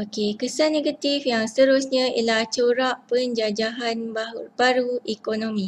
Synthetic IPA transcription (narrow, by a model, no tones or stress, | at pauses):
okekəsanẽɡat̪ifjaŋst̪əɾʊsɲə̃ḭlaht͡ʃoɾaʔpəɲd͡ʒad͡ʒaɦanbab̥aɾuekonõmĩ